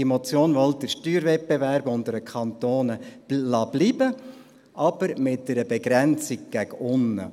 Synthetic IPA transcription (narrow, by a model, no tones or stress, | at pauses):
imɔt͡sjoːnʋɔldəʃtyːɾvɛt̚bɛvæɾbʊndəɾəkʰχɑnt̪oːnəlɑːb̥liːbə | ʔɑb̥əɾmɪt̚d̥əɾəbɛɡɾɛnt͡sik̚ɡ̥æɡʊnːə̰